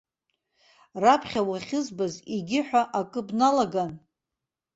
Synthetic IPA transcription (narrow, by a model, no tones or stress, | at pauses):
rapʰχʲawaχʲɪzbaziɡʲɪħʷᶣaʔakʼɨbnalaɡan